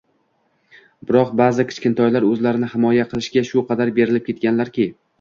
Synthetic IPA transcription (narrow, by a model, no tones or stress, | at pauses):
bɪɾɒqbazɪkʲʰɪ̥t͡ʃkʲɪnt̪ʰɒjlaɾɵzlaɾɪnɪhɪmɒjaqʰɨlˠɪʃɡʲaʃʊqʰɑd̪aɾbe̞ɾɪlɪp̚kʲʰe̞t̪̚kʲanlaɾkʲɪ